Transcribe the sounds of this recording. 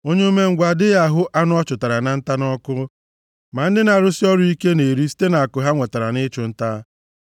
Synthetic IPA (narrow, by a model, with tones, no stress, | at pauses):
o˦ɲe˦u˦me˦ŋ̩˨ɡʷa˨dɪ˦ja˦˨ɦʊ˦ʔa˦nʊ˦ɔ˦t͡ʃʊ˨ta˨ɾa˨na˨n̩˦ta˦nɔ˦kʊ˦ | ma˨n̩˦dɪ˦na˨ɾʊ˦si˦ɔ˦ɾʊ˦i˦ke˦ne˨ɾi˦si̥˦te˦na˨a˨kʊ˨ɦa˦ŋʷe˨ta˨ɾa˨nɪ˦t͡ʃʊ˨n̩˦ta˦